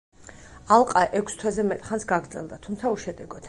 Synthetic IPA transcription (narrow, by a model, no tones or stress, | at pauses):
alˠqʼaʔɛkʷʰst̪ʰwɛzɛmɛt̪ʼχansɡaɡɾd̪zɛ̰lˠd̪at̪ʰumt̪sʰauʃɛd̪ɛɡɔt̪